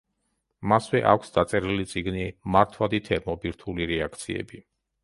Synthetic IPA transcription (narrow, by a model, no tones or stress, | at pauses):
maswɛʔa̰kʷʰsd̪at̪sʼɛɾilit̪sʼiɡnimaɾt̪ʰwad̪it̪ʰɛɾmɔbiɾt̪ʰuliɾɛakʰt̪sʰiɛ̰bi